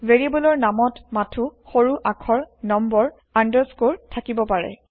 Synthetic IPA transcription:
veɹibɔlɔɹnamɔtmatʰuxoɹuʔakʰɔɹnɔmbɔɹ | andɔskoɹtʰakibɔpaɹɛ̰

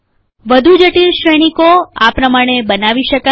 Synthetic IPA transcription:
ʋəd̪ʱud͡ʒəʈilʃɾɛɽ̃ikoapɾəmaɽ̃ebənaʋiʃəka

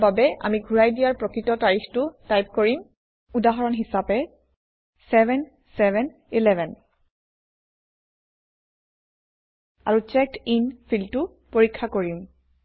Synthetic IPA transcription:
babɛʔa̰miɡʱuɹajdijaɹpɹɔkɹitɔtaɹixtʊtajp̚koɹim | udaɦɔɹɔnɦisapɛ | sɛbʱɛn | sɛbʱɛn | ilɛbʱɛn | a̰ɹut͡ʃɛk̚tinfʰiltu | poɹikʰːakoɹim

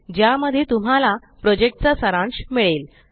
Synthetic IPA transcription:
d͡ʑjaməd̪ʱːjet̪um̤ala | pɾɔd͡ʑek̚ʈ̚t͡sasəɾãɳɕmiɭel

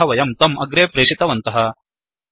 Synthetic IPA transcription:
ɐʋɐjɐmt̪ɐmɐɡɾeːpɾeːʂit̪ɐʋɐnt̪ɐɦɐ

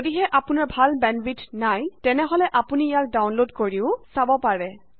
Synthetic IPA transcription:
odiɦɛʔapunaɹbʱalbɛnbitʰnajtɛnɛɦɔlɛʔapunijak̚dawnlodkoɹiʊsabɔpaɹɛ

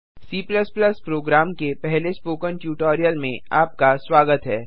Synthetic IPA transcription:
siːpləspləspɾoːɡɾaːmkepɛɦlespoːkəɳʈjuːʈɔːɾijəlmḛ̃a̰ːp̚kasʋaːɡət̪ɦɛː

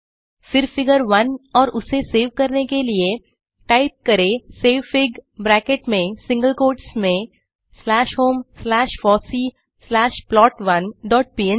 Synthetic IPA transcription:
fɪɾfɪɡəɾʋɐnɔːɾʊseseːʋkɐɾnekelie | ʈaːɪp̚kɐɾeseːʋfɪɡbɾɛːkeʈmẽsɪ̃ŋɡəlkoːɾɖsmẽ | slɛːʃɦoːmslɛːʃfɔːsi | slɛːʃplɔːʈʋɐnɖɔːʈ̚piːe

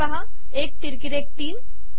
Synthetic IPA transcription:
ɐɦã | eːk̚t̪ɪɾkɪɾeːk̚ʈiːm

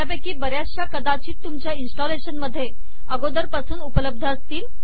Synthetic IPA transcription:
abakiːbəɾjasjakəd̪at͡ɕiːt̪ːumt͡ɕjainsʈɔleɕənməd̪ʱːje | əɡod̪əɾpasuːnupələb̚d̪ʱəəst̪iːl

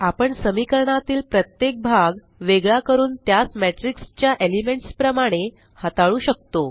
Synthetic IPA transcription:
apəɳsəmikəɾɳat̪iːlpɾət̪jek̚bʱaɡ | ʋeɡɭakəɾuːnt̪jat͡smeʈɾikst͡ɕjaʔelimeɳʈspɾəmaɽ̃e | hət̪aɭuːɕək̚t̪o

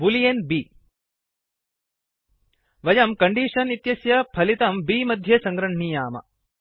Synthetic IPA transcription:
bulijenbiː | ʋɐjɐmkɐɳɖiːʂɐnit̪jɐsjɐpʰɐlit̪ɐmbiːmɐd̪ʱjɐsɐŋɡɾɐɳɳijaːmɐ̰

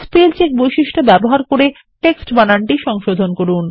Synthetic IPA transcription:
spelt͡ɕek̚bojʃiʃʈobɛboɦaɾkoɾe | ʈeksʈbanaɳʈiʃɔŋʃod̪ʱonkoɾun

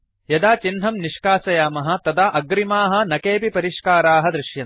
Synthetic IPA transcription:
jɐd̪aːt͡ʃinɦɐmniʂkaːsɐjaːmɐɦɐ̆t̪ɐd̪aːʔɐɡɾimaːɦɐ̆nɐkeːpipɐɾiʃkaːɾaːɦɐd̪ɾiʃjɐ

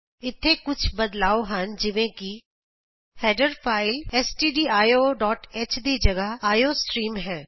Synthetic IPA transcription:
ɪt̪ʰːeːkʊt͡ʃʰbəd̪laːoːɦənd͡ʒɪʋẽːki | hɛːɖəɾpʰaːɪlɛːsʈiːɖiːaːjoːɖɔːʈeːt͡ʃd̪iːd͡ʒəɡaaːjoːsʈɾiːmɦɛː

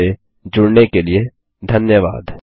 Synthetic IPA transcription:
e | d͡ʒʊɽnekelie | d̪ʱɐnjəʋa̰ːd̪

